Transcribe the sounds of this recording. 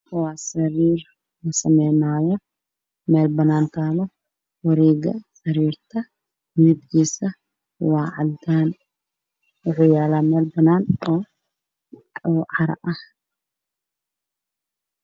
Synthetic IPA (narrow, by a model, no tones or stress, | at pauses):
waːsɐɾiːr | lɐsɐmɛjnaːjɔ | mɛːlbɐnaːnt̪ʰaːlɔ | wɐɾɛːɡɐ̰sɐɾiːrt̪ʰɐ | mɪɪd̪kʰiːsɐ | waːʕɑ̰lt̪ʰaːn | wʊħuːjaːlaːmɛːlbɐnaːnɔː | ʕɑɾɐ̰ʔɐh